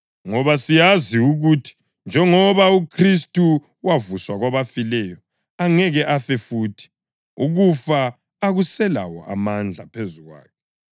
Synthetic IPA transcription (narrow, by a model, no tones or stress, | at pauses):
ŋɔβasijaziuɣutʰi̥ | nd͡ʒʱɛŋɔβaukʰris̬tʼu | wavuswaɣwaβafilɛjɔ | aŋɛɣɛʔafɛfuːtʰi̥ | uɣufaː | ɣusɛla̰wɔ̰ʔa̰mand͡ɮʱapʰezuɣwa̰ːkʰɛ